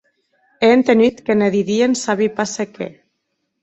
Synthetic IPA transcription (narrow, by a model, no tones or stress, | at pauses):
eent̪enit̪keneðiðiensaβipasekḛ